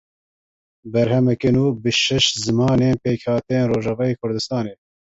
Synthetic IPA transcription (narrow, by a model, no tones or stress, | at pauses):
bɛɾhɛmɛkenuːbɨʃɛʃzɨmɑːneːnpeːkhɑːt̪ɛjeːnroːʒɑːvɑːjeːkʰʊɾd̪ɨst̪ɑːneː